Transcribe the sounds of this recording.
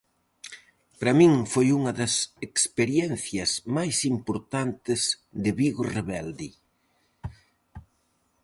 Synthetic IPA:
pɾɐmĩŋfojuŋɐðɐsekspeɾjɛnθjɐzmajsimpoɾt̪ant̪ɪz | d̪ɪβiɣʊreβɛld̪i

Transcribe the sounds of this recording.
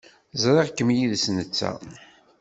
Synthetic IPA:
zɾˤeʁkːəmjiðsnət͡sːæ̰

